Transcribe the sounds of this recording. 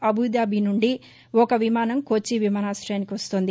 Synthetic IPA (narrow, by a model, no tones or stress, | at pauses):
ɐbʱud̪aːbʱinuɳɖi | ɔkɐʋimaːnɐmkoːt͡ʃːiʋimaːnaːsɾɐjaːnikiʋɐst̪oːnd̪i